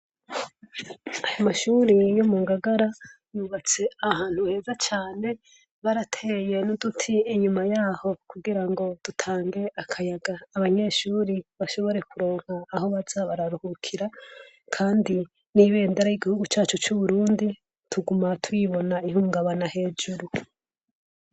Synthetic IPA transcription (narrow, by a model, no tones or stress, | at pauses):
ajamaʃuɾijomuːŋɡaɡaɾa | juβat͡se̞ahaːn̥huhe̞ːzat͡ʃaːne̞ | βaɾatʰeːje̞nudutʰiːɲumajaːho̞kuɡiɾaŋɡo̞d̥utʰaːŋɡe̞ʔakʰajaɡaːβaɲe̞ːʃuːɾiβaʃo̞βo̞ɾe̞kuɾo̞ːŋ̥haːho̞βaz̥aβaɾaɾuhukʰiɾa | kʰaːndi | niβe̞ːndaɾajiɡihuɡut͡ʃaːt͡ʃot͡ʃuβuɾuːndi | tʰuɡumatwiβo̞naiɦuːŋɡaβanahe̞ːd͡ʒuɾu